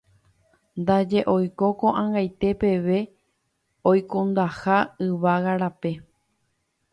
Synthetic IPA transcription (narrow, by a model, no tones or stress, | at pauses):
nd̪ad͡ʒe̞ʔo̞jko̞koʔãŋɡajt̪e̞pe̞ʋe̞ | ojkõnd̪ahaɨʋaɣaɾape̞